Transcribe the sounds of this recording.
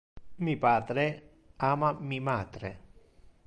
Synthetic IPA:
mipaːd̪ɾe | aːmamimaːd̪ɾe

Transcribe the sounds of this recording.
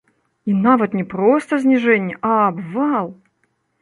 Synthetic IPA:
inavɐt̪nʲɛpɾɔst̪ɐzʲnʲiʐɛnʲːɛʔɐːbvalˠ

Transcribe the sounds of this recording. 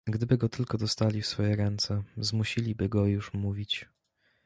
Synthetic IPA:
ɡd̪ɘbɘɡɔt̪ɘlkɔd̪ɔst̪alʲifsfɔjɛɾɛnt̪sɛzmuɕilʲibɘɡɔjuʂmuvʲit͡ɕ

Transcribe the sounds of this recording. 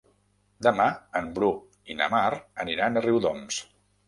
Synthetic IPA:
d̪əmaəmbɾu | inə̰maɾəniɾanəriwðɔms

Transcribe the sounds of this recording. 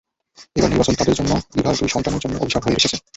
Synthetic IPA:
ebaɾniɾbat͡ɕont̪ad̪eɾd͡ʑonːobibʱald̪uiʃɔnt̪aneɾd͡ʑonːoʔo̰biʃakɦoeeʃet͡ɕʰen

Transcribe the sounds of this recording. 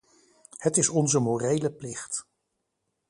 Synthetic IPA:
hətɪsɔnzəmoːrejləplɪχt

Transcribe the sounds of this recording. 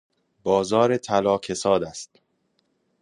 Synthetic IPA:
bɒːzɒːɾet̪ʰælɒːkʰe̞sɒːd̪æst̪

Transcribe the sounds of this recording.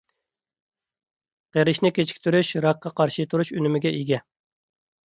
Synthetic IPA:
qeɾɪʃnɪkʲet͡ʃʰi̥kʲt̪ʰyɾyʃɾɑk̚ːɑqɑɾʃɨt̪ʰuɾuʃynymɪɡʲɛʔiɡʲɛ

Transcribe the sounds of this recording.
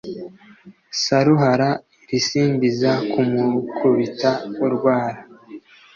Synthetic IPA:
saɾuɦaɾa | ɾisiːndizakumukʰuβitauɾɡwaːɾa

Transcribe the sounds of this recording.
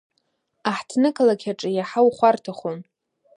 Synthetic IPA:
aħtʰnɨkʰʼalakʲʰaʈ͡ʂʼɨjaħawχʷartʰaχon

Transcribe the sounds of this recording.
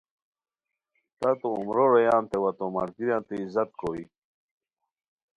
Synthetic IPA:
t̪ɐt̪oumɾoɾɐjaːnt̪ewɐt̪omɐɾɡiɾjãːnt̪eizɐt̪̚kʰoːwi

